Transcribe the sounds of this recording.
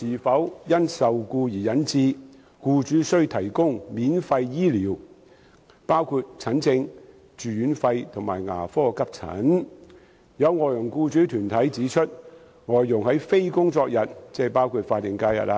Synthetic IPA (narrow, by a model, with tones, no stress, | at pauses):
siː˨fɐ˨˥wjɐ˥nsɐ˨wkuː˧jiː˨˩jɐ˨˥nt͡siː˧ | kuː˧t͡ʃyː˨˥sɵ˥ɥt̪ʰɐ˨˩jkʊ˥ŋmiː˨˥nfɐ˧jjiː˥liː˨˩w | paː˥wkʰuː˧t̚t͡sʰɐ˨˥nt͡sɪ˧ŋ | t͡ʃy˨yː˨˥nfɐ˧jt̪ʰʊ˨˩ŋmaː˨˩jŋa̰ː˨˩fɔː˥kɐ˥p̚t͡sʰɐ̰˨˥n | jɐ˨˧wŋɔː˨˩jjʊ˨˩ŋkuː˧t͡ʃyː˨˥t̪ʰyː˨˩nt̪ʰɐ˨˥jt͡siː˨˥t͡ʃʰɵ˥t̚ | ŋɔː˨jːʊ˨˩ŋhɐ˨˥jfe˥jkʊ˥ŋt͡sɔː˧k̚jɐ˨t̚t͡sɛː˥˩paː˥wkʰuː˧t̚faː˧t̚jɪ˨ŋkaː˧jɐ̰˨t̚laː˧